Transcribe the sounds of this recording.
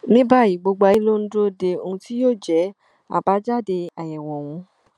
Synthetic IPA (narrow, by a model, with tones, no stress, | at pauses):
nĩ˦ba˦˨ji˦˨ɡ͡bo˧ɡ͡ba˧i˦lo˦n̩˦do˦de˧o˧ũ˧ti˦joː˦˨d͡ʒɛ˨˦ | a̰˦˨ba˨˦d͡ʒa˦˨de˧a˨jɛ˨wɔ˨w̃ɔ̃˧